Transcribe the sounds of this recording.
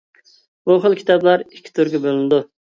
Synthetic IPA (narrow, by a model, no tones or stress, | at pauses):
buχəlˠkʲi̥t̪ɑblˠɑɾikʲʰːi̥t̪ʰyɾɡʲɛbølɪnɪd̪u